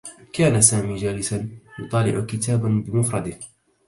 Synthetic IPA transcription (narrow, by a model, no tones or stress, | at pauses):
kaːnasaːmiːd͡ʒaːlɪsanjʊt̪ˤɑːlɪʕʊkɪt̪aːbanbɪmʊfɾˤɑd̪ɪh